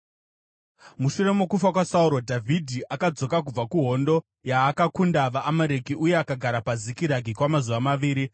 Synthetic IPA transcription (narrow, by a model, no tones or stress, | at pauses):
muʃure̞mokufakwasauɾo̞dʱavʱidʱiʔakad͡zo̞kak̬ub͡vakuɦo̞ndo̞ | jaːkakundaʋaʔːmaɾekiʔuje̞akaɡʱaɾapazikiɾaɡʱikwamazuʋamaʋiːɾi